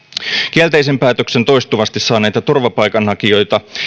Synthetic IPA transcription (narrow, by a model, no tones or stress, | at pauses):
k̟iælt̪ejs̬e̞mpæːt̪økse̞nt̪o̞jst̪uʋɑst̪isːɑːnæjt̪æt̪urʋɑpɑjkɑnhɑkio̞jt̪ɑ